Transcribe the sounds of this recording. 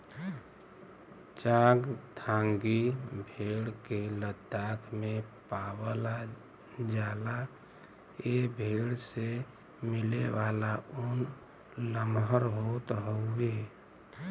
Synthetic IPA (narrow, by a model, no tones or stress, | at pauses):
t͡ʃaːɡt̪ʰãːŋɡibʱeːɽkelət̪ːakʰmẽpaːwəla | d͡ʒaːla | ebʱeːɽse | mɪleʋaːlaun | ləmɦəɾɦot̪ɦoʊe